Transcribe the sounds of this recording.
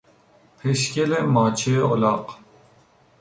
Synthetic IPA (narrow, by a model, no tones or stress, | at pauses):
pʰeʃkelemɑːt͡ʃʰeolɑːq